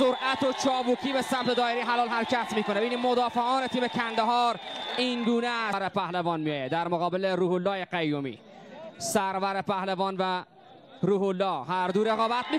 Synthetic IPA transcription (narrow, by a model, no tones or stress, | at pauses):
soɾʔæt̪ʰot͡ʃʰɒːbuːcʰiːbesæmt̪ed̪ɒːeɾijɦælɒːlɦæɾcʰæt̪miːkonebiniːmmod̪ɒːfeʔɒːnet̪ʰiːmecʰænd̪eɦɒːɾiŋɡuːneæɾepæhlevɒːnmijɒːjed̪æɾmoɣɒːbeleɾuːholːɒːjeqæjːomḭː | sæɾvæɾepæhlevɒːnvæ | ɾuːholːɒːhæɾd̪uːɾeɣɒːbæt̪̚mi